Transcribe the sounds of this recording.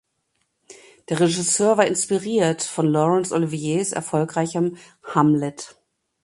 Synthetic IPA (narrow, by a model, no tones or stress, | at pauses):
d̥eːɐʁeʒɪsøːɐvaːɐɪnspiʁiːɐtfɔnlɔʁɛnsʔolivieːsɛ̰ɐfɔlkʁ̥aɪçəm | hamlɛt